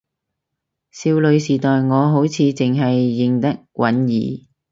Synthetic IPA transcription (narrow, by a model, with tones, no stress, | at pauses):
siː˧wlɵ˨˧ɥsiː˨˩t̪ɔː˨jŋɔː˨˧ɦo˨˥wt͡sʰiː˨˧t͡sɪ˨ŋɦɐ˨jːɪ˨ŋt̪ɐ˥k̚wʔɐ˨˥njiː˨˧